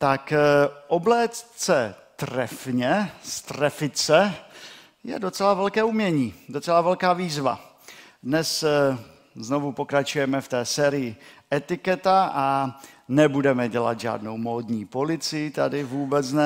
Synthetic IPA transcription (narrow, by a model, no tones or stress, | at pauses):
t̪akʔoblɛːt̪t͡sɛt̪rɛfɲɛst̪rɛfɪt͡sɛ | jɛ̰dot͡sɛlavɛlkɛːumɲɛɲiːd̪o̞t͡sɛlavɛlkaːviːzva̰ | dnɛs | zno̞vupo̞kɾat͡ʃujɛmɛft̪ɛːsɛːɾɪjɪʔɛt̪ɪkɛt̪aʔanɛbudɛmɛɟɛla̰t̪ʒa̰ːdno̞wmoːd̪ɲiːpo̞lɪt͡sɪjɪt̪adɪvuːbɛt͡snɛ